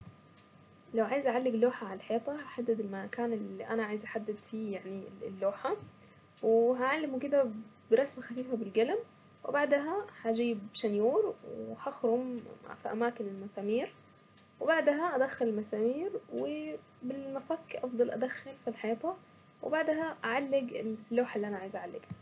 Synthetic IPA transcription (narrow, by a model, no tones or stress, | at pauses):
lawʕaːjɪzʔaʕalːɪɡlːoːħaʕalalħeːt̪ˤɑhaħad̪ːɪd̪ɪlmakaːnɪlːiʔanaʕaːjɪzʔaħad̪ːɪd̪fiːjaʕnilːoːħa | wɪɦaʕalːɪmukɪd̪abɪɾˤɑsmaxafiːfabɪlɡalam | wɪ̰baʕd̪ɦahad͡ʒiːbʃanjuːɾˤwhaxɾʊmfiʔa̰maːkɪnɪlmasaːmiːɾ | wɪbaʕd̪ɦaʔad̪axːɪlɪlmasaːmiːɾwɪ | bɪlmafakʔɑfd̪ˤɑlʔa̰d̪axːɪlfilħajaːt̪ˤʊ | wɪ̰baʕd̪ɦaʔaʕalːɪɡɪlːoːħaʔlːiʔanaʕaːjɪzʔaʕalːɪ̰ɡa